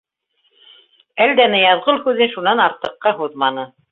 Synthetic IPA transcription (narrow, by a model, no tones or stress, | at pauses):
æld̪ænɘjɑðʁɤlˠhʉðɘnʃunɑnɑɾt̪ɤ̆qːɑɦuðmɑnɤ